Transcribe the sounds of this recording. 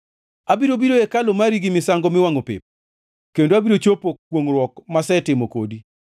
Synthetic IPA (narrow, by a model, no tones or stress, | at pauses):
abiɾobiɾoekalomaɾiɡimɪsaŋɡomɪwaŋopɪ̰p̚ | kendoabiɾot͡ʃopok̚woŋɾwɔkmasɛtɪmoko̰di